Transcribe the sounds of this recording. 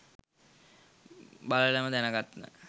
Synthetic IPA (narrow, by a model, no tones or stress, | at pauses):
balələməd̪ænəɡat̪nə̰